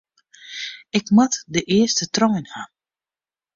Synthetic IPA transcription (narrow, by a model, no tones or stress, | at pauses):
ɪkmatdəʔɪəstətrɔjnha